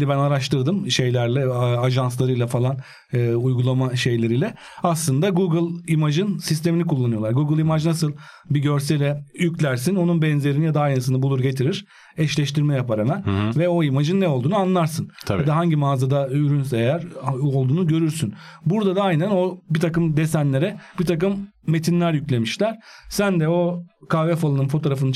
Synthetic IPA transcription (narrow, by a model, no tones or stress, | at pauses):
ɛbænaɾaʃt̪ʰɯɾd̪ɯmʃe̞jlʲæɾlʲɛaʒanslˠaɾɯjlˠafalˠan | ɯujɡulˠamaʃe̞jlʲe̞ɾijlʲɛ | aslˠɯnd̪aɡuːɡɯlˠimad͡ʒɯnsist̪e̞minikʰulˠːanɯjo̞lˠaɾɡuːɡɯlˠimad͡ʒnasɯlˠ | biɟø̞ɾsɛlʲɛjyclʲæɾsino̞nunbɛnze̞ɾinijad̪aajnasɯnɯbulˠuɾɟe̞t̪ʰiɾiɾ̥ | ɛʃlʲɛʃt̪ʰiɾmɛjapaɾemænvɛo̞imad͡ʒɯnːɛo̞lˠd̪uːnuanlˠaɾsɯnt̪ʰabjad̪aɦaɲɟimaːzad̪ayɾynseejæɾo̞lˠd̪uːnuɟø̞ɾyɾsynbuɾd̪ad̪aajnæno̞bit̪ʰakɯmd̪esænlʲe̞ɾɛb̥it̪ʰakɯmː | e̞t̪ʰinlʲæɾjycʲlʲe̞miʃlʲæɾ̥sænd̪ɛo̞kʰaːvɛfalˠɯnɯnfo̞t̪ʰoɾafɯnɯ